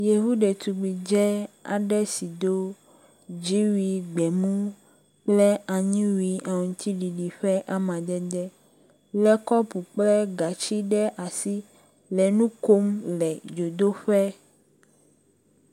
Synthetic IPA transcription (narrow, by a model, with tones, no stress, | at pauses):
je˨ɦu˦ɖɛ˨t̪u˨ɡ͡bi˨d͡ʒɛ˦a̰˨ɖɛ˦si˨d̪o˦ | d͡ʒi˦wi˨ɡ͡bɛ˨mũ˦ | k͡plɛ˦a˨ɲĩ˦wi˨a˨ŋũ˨t̪i˦ɖi˨ɖi˨ɸɛ˦ʔa˦mã˨d̪ɛ˦d̪ɛ˦ | lɛ˦kɔ˦pu˨k͡plɛ˦ɡa˨t͡ʃi˦ɖɛ˦ʔa˨si˦ | lɛ˨nũ˦ko˦mlɛ˨d͡ʒo˨d̪o˦ɸɛ˦